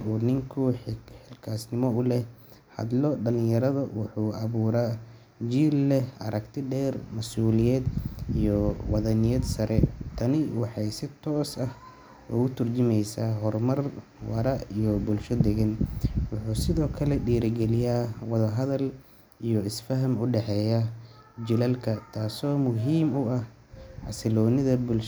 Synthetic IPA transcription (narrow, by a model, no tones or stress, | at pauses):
uːnɪŋkʰʊħɪlkʰaːsnɪmɔʊlɛh | hɐ̰d̪lɔɖɐlɪŋjɐɾɐðɐwʊħuːʔɐβuːɾa | d͡ʒiːlːɛʔɐ̰ɾɐɡt̪ʰɪɖɛːrmɐsuːlɪjɛːd̪ijɔwɑðɐnɪjɛd̪sɐɾɛt̪ʰɐnɪwɑħɑjsɪt̪ʰɔːsɐh | ɔ̰ːʊt̪ʰʊrt͡ʃɪmɛjsaːɦɔrmɐr | wɑ̰ɾɐijɔbʊlʃɔd̪ɛɣɐnwʊħuːsɪðɔːkʰɐlɛɖiːɾɪɡɛlɪjaːwɑðɐɦɐðɐl | ijɔɪsfɐɦɐmʊɖɛħɛːja | d͡ʒɪlɐlkʰɐt̪ʰaːsɔːmʊɦiːmʊɐh | ʕɑ̰sɪlɔːnɪðɐbʊlʃ